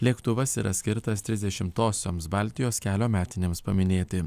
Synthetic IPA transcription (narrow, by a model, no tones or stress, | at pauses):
lʲiɛkt̪ʊʋɐsiːɾʔɐ̰sʲkʲɪɾt̪ɐst̪ʲɾʲɪzʲd̪ʲɛʃʲɪmt̪oːsʲoːmsbɑˑlʲt̪ʲɪjoːskʲæːlʲoːmʲæːt̪ʲɪnʲemspɐmʲɪnʲeːt̪ʲɪ